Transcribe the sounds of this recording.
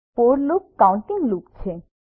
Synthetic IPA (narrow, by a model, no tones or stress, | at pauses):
poɾlukːawuɳʈiŋlukt͡ɕʰe